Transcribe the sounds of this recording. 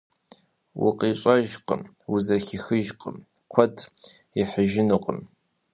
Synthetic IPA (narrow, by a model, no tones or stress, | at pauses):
wʊ̰qʼiːɕʼɐʒqə̰m | wʊzɐxɪxɨʒqʼəm | kʷʰɔd | iħəʒɪnuːqʼə̰m